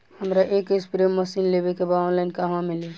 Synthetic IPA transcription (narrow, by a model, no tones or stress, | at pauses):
həmɾaʔekespɾemːəsinlebekebaɔ̃nlaɪnkaɦãmili